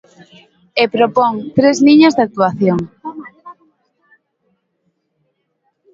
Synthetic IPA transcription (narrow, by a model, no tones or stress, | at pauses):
epɾopoŋt̪ɾezniɲazðak̚t̪uaθjoŋ